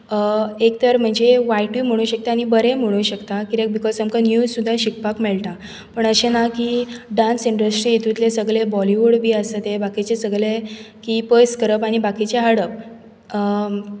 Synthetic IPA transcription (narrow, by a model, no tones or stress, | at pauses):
ekt̪əɾm̤əɳd͡zeʋajʈum̤əɽ̃uːɕək̚t̪aañibəɾem̤əɽ̃uːɕəkt̪akiɾek̚bikɔlsəmkanjuːzsud̪ʱːaɕik̚pakmeɭʈ̪a | pəɳəɕenakiɖãnsiɳɖəsʈɾiet̪ut̪lesəɡɭebɔliʋuɽbʱiːəsat̪ebakit͡ɕesəɡɭe | kipəjskəɾəpaɽ̃ibakit͡ɕeɦaɽəp̚ | ə